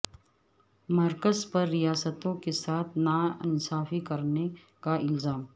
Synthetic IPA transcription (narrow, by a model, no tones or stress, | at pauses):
mɐɾkəzpɐɾːijaːsət̪õkesaːt̪ʰnaɪnsaːfikɐɾne | kaɪlzaːm